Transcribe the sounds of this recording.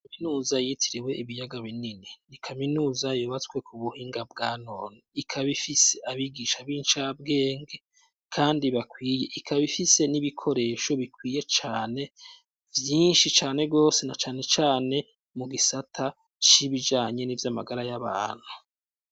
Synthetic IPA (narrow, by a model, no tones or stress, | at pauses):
kaminuːzajitʰiɾiwe̞ʔiβijaɡaβinininikʰaminuːzajuːβat͡skwe̞kʰuβuhiːŋɡabɡaːno̞ːniikʰaβifise̞aβiɡiːʃaβiːnt͡ʃab̚ɡe̞ːŋɡe̞ | kʰaːndiβakwiːje̞ʔikʰaβifise̞niβikʰo̞ɾe̞ːʃo̞βikwiːje̞t͡ʃaːne̞ | vjiːnʃit͡ʃaːne̞ɡo̞ːse̞nat͡ʃaːne̞t͡ʃaːne̞ | muɡisatʰa | t͡ʃiβid͡ʒaːɲe̞nivjama̰ɡaɾajaβa̰ːn̥hu